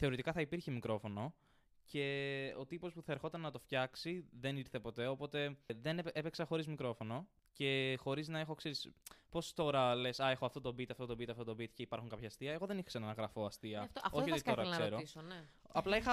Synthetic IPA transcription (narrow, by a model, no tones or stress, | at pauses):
θe̞o̞ɾit̪ikɐθɐipiɾçimikɾo̞fo̞no̞ | ce̞o̞t̪ipo̞spuθɐeɾxo̞t̪ɐnnɐt̪o̞fçɐksiðe̞niɾθe̞po̞t̪e̞o̞po̞t̪e̞ðenepeksɐxo̞ɾizmikɾo̞fo̞no̞ | ce̞xo̞ɾiznɐexo̞kseɾispo̞st̪o̞ɾɐlesɐexoɐft̪o̞t̪o̞bit̪ɐft̪o̞t̪o̞bit̪ɐft̪o̞t̪obit̪ceipɐɾxuŋkɐpçɐːst̪iɐe̞ɣo̞ðe̞nixsenɐnɐɣɾɐfo̞ɐst̪iɐoçot̪it̪o̞ɾɐkse̞ɾo̞ison | ɐplɐixɐ